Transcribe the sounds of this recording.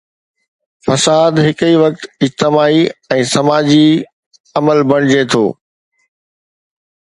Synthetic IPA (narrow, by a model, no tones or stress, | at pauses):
fɐsaːd̪ɦɪkiʋɐk̚t̪ɪd͡ʑt̪ɪmaːiɛ̃ːsɐmaːd͡ʑi | ɐməlbɐɽ̃ɪd͡ʑet̪ʰo̰ː